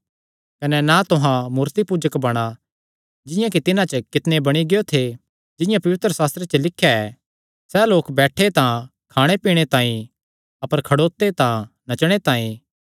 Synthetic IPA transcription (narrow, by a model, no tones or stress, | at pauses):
kɐnɛnat̪ʊɦãmuːɾt̪ipuːd͡ʒəkbɐɽ̃a | d͡ʒɪ̃jãkit̪ɪnãt͡ʃəkɪt̪nebɐɽ̃iɡejot̪ʰe | d͡ʒɪ̃jãpɐʋɪt̪ɾəsaːst̪ɾet͡ʃəlɪkʰːjaɛ | sɛloːkbɛːʈʰet̪ã | kʰaːɽ̃epiːɽ̃et̪ãːĩ | ɐpəɾkʰɐɽoːt̪ːet̪ã | nɐt͡ʃɽ̃et̪aːĩ